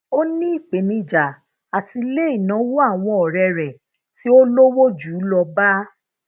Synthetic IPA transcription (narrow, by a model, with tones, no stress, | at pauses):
o˦nĩ˦i˦˨k͡pe˨nĩ˧˨d͡ʒa˨ | a˨ti˧le˦i˦˨nã˨˦wo˦a˦˨w̃ɔ̃˧˦ɔ˨ɾɛ˧ɾɛ˨ | ti˦o˦lo˦wo˦d͡ʒuː˨˦lɔ˧ba˦